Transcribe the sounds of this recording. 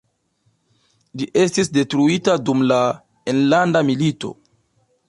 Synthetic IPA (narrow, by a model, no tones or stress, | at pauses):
d͡ʒiʔe̞stisde̞tɾuitadumla | enlandamilito̞̰